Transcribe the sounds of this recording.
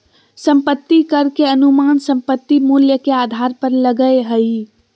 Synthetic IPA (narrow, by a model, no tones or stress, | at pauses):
sə̃mpət̪ːikəɾkeənumansə̃mpət̪ːimuljəkead̪ʱaɾpəɾləɡəeɦəi